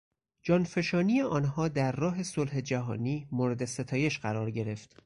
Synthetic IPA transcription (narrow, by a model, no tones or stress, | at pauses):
d͡ʒɒːnfe̞ʃɒːnijeʔɒːnɦɒːd̪æɾːɒːɦe̞solhed͡ʒæɦɒːniːmoːɾe̞d̪e̞se̞t̪ʰɒːje̞ʃɢæɾɒːɾɟe̞ɾe̞ft̪